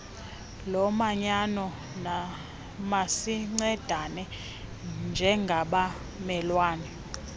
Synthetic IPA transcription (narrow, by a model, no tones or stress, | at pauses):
lɔmaɲanɔ | na | masiŋ͡ǀɛd̥ʱanɛ | nd͡ʒʱɛŋɡʱaɓa | mɛlwaːnɛ